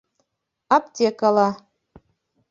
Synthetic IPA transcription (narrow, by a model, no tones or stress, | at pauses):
ɑp̚t̪ʲekɑlˠɑ